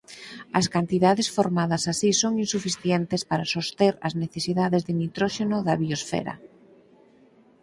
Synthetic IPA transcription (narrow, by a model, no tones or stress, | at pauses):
ɐskant̪iðaðesfoɾmaðɐsasisoŋinsufiθjɛnt̪espaɾasost̪eɾɐzneθesiðaðezðɪnit̪ɾoʃenoðɐβiosfɛ̰ɾɐ̰